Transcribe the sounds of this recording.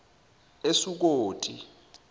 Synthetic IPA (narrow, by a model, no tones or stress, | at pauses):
esuk̬oːtʼi